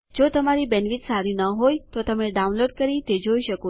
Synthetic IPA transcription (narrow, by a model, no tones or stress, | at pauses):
d͡ʒot̪əmaɾibɛnʋit̪saɾinəɦojt̪ot̪əmeɖaũnloɖ̚kəɾit̪ed͡ʒoiʃəko